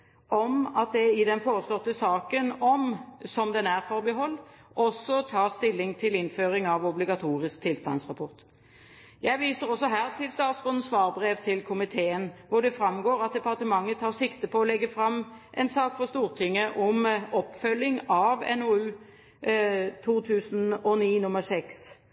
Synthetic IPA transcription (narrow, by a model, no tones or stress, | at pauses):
ɔmɑt̪̚d̪ɛɪd̪ɛnfoːʁəslɔt̪ːəsɑːkənɔmsɔmd̪ɛnæʁfɔɾbəɦɔlː | ʔɔsːɔt̪ʰɑːʁst̪ɪlːɪŋt̪ʰɪlɪnføːɾɪŋɑʋɔblɪɡɑt̪ʰuːɾɪskt̪ʰɪlst̪ɑ̰nsʁɑpʰɔʁt̪ | jæɪʋiːsəɾɔsɔɦæːʁt̪ʰɪlst̪ɑːd̪sʁʊnn̩sʋɑːʁbɾeːʋt̪ʰɪlkʰʊmɪt̪ʰeːənʋʊɖ̪ɛfɾɑmɡoːɾɑt̪̚d̪ɛpɑʁt̪əmɑŋːət̪ʰɑːʁsɪkt̪əpʰɔɔlɛɡːəfɾɑmʔɛnsɑːkfɔʁst̪uːʁt̪ʰʏŋːəʔɔmɔpfœlːɪŋɑʋɛ̰noːʉː | t̪ʰuːt̪ʰʉːsn̩ɔniːnʊməʁsɛks